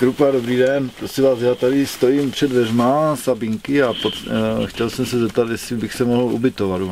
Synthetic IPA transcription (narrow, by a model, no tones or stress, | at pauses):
kɾupadobɾiːdɛnpɾosɪmvaːsjaːt̪aɾɪst̪o̞jiːmpr̥ɛdvɛrmasabiŋkɪapot̪xcɛlsɛmsɛzɛp̚t̪at̪jɛsɪbɪxsɛmoɦl̩ṵbɪt̪ovad̪du